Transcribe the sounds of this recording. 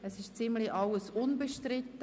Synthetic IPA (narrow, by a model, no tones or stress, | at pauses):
ɛsɪʃt͡sɪmliʔɑləsʊnbəʃtɾɪt̪ːə